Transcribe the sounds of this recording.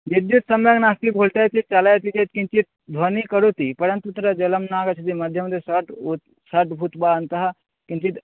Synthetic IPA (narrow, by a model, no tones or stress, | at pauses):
jid̪jut̪sɐmjəɡnast̪ibʱulʈ̪at̪it͡ʃalat̪id͡ʒet̪̚kint͡ʃit̪̚d̪ʱwonikəɾut̪ipəɾənt̪ut̪ɾad͡ʒɐləmnaɡət͡ʃʰit̪imɐd̪ʱjəmɐd̪ʱjesəʈu | səɾʈbʱut̪bant̪ɐɦ | kint͡ʃit̪